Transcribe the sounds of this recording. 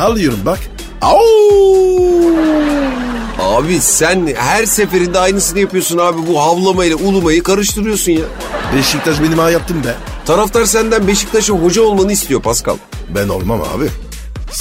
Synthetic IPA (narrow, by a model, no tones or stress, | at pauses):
halːˠɯjoɾunbak | a | aːbisænhæɾse̞fe̞ɾind̪ɛajnɯsɯnɯjapɯjo̞sunaːbibuɦavlˠamailʲɛulˠumajɯkaɾɯʃt̪ʰɯɾɯjo̞sunjaː | beʃic̚t̪ʰaʃbenimajap̚t̪ʰːɯmd̪ɛ | t̪ʰaɾaft̪ʰˠaɾsænd̪ænbe̞ʃi̥c̚t̪ʰaʃɯɦo̞d͡ʒaolˠmanɯist̪ʰijo̞pʰaska̰lˠ | bæno̰lˠma̰ma̰ːbi